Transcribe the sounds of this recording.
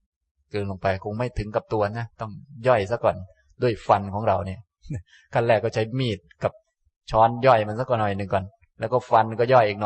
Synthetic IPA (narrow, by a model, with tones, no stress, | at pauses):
kɤː˧nlo˧ŋpa˧jkʰo˧ŋma˥˩jt̪ʰɯ˩˦ŋka˨˩p̚t̪u˧ɐna˦˥t̪ɔ˥˩ŋjɔ˥˩jsa˦˥kːɔː˨˩n | du˥˩əjfa˧nkʰɔː˩˦ŋɾa˧wni˥˩ɐ˥ | kʰa˧˩lɛː˧˩kːɔː˥˩t͡ɕʰa˦˥jmiː˥˩t̪̚ka˨˩p̚ | t͡ɕʰɔː˦˥njɔ˥˩jma˧nsa˦˥kɔː˨˩nɔ˨˩jnɯ˨ŋkɔː˨˩n | lɛ˦˥wkɔː˥˩fa˧nkɔː˥˩jɔ˥˩jʔiː˨˩k̚nɔ˨˩j